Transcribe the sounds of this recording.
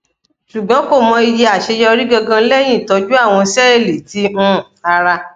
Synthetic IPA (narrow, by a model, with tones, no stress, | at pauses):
ʃu˨ɡ͡bɔ̃˨˦ko˦˨mɔ̃˧i˧je˧a˨ʃe˧jɔ˧ɾi˦ɡɔ˧ɡã˧˦lɛ˦j̃ĩ˦˨tɔ˨˦d͡ʒu˦a˦˨w̃ɔ̃˧sɛ˦ɛ˦˨le˨ti˨˦m̩̃˦˨a˧ɾa˧